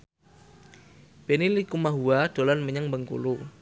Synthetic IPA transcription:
b̥enilikumaɦuad̥olanməɲəŋbəŋkṵlu

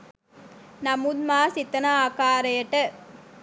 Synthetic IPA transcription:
nɐmud̪̚maːsit̪ːɐnɐaːkaːɾɐjɐʈːɐ

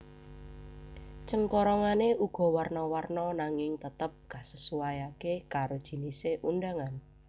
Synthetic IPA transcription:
t͡ʃəŋkɔɾɔŋaneʔuɡ̥ɔ̤wərnɔwərnɔnaŋɪŋt̪ət̪əp̚ɡ̥ä̤səsuajakekaɾod̥ʒ̥i̤niseʔunɖaŋan

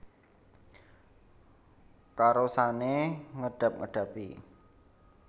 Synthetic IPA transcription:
kaɾosaneŋəɖ̥ä̤p̚ŋə̰ɖ̥ä̤pi

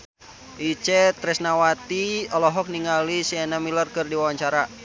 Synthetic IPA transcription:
ʔit͡ʃɛt̪ɾɛsnawat̪iɔlɔɦɔk̚niŋalisiɛnamilərkɨrdiwawaɲt͡ʃaɾa

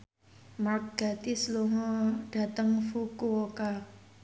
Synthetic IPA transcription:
mark̚ɡ̥a̤t̪isluŋɔɖ̥a̤t̪əŋfukuoka

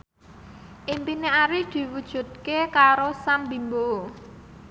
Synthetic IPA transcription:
ʔimpineaɾɪd̪̥i̤wud̥ʒ̥ṳt̪̚kekaɾosambimboo

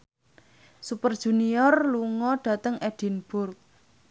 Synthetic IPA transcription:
supərd̥ʒ̥ṳniɔrluŋɔɖ̥ä̤t̪əŋʔɛɖ̥i̤nb̥ʊrk̚

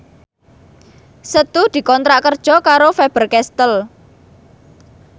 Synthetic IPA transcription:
sət̪ud̪̥i̤kɔnt̪ɾaʔkərd̥ʒ̥ɔ̤kaɾofɛb̥ərkɛst̪əl

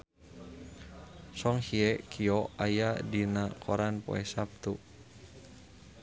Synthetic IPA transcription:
sɔŋhiɛkʰiɔajadinakʰɔɾanpɔ̰ɛsap̚t̪u

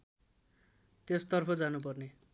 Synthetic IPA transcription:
t̪jost̪ʌrpʰʌd͡zanupʌrne

